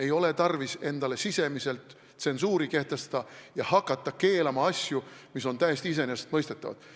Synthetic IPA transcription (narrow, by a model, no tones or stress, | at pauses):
e̞jo̞le̞t̪ɑrvise̞nd̪̥ɑle̞sise̞mise̞lt̪ | se̞nsuːɾike̞ht̪e̞st̪ɑd̪̥ɑjɑhɑkːˑɑt̪ːˑɑke̞ːlɑmɑɑsʲjumiso̞nt̪æjest̪iis̬e̞nese̥t̪mɤjst̪et̪ːˑɑvɑ̰d̪̥